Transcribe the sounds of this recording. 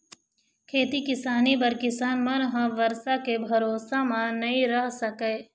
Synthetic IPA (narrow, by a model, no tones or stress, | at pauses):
kʰeːt̪ikɪsaːnibɐɾkɪsaːnmɐɾɦə̃ʋɐɾsakebʱɐɾoːsamãnɐɦĩɾɐɦsɐkeː